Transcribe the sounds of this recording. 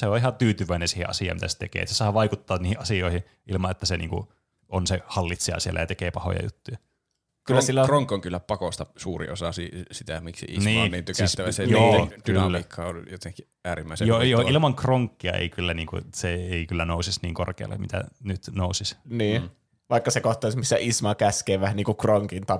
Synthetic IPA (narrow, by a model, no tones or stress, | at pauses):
seoihɑt̪yːt̪yʋˑæˑinensiːhḛʔʔɑsijɑ̰ːmit̪æ̰se̥t̪ḛkḛːt̪sesɑːʋɑikut̪ːɑːiːhiʔɑsioihi | ʔilmɑʔet̪ːæsenḭːŋkṵ | ʔonsehɑlːit̪siɑ̰siḛlæ̰jɑt̪ekeːpɑho̰jɑ̰jṵt̪ːujɑ | kylːæsilːæroŋkːoŋkylːæpɑkost̪ɑsuːrḭosɑsisit̪æmiksḭʔḭsniːment̪ːysist̪ːæʋæsejoːd̥ynlːæiːkʰːɑo̰ljot̪eŋki | æːɾimːæˑisejoːjoːʔilmɑŋkroŋkːiɑ̰ḛikylːæniːŋkṵseeikylːænoˑusisniːŋkorkeɑ̰lːɑ̰mit̪æ̰nyt̪nousisniː | ʋɑˑikːɑsekoht̪ːˑɑˑisemːsæʔismɑkæskeːʋʋæhæniːŋkukroŋkint̪ɑ